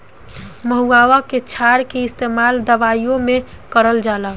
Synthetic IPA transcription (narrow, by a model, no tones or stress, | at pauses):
məɦuaʋaket͡ʃʰaɾkeɪst̪emald̪əʋaijõme | kəɾəld͡ʒala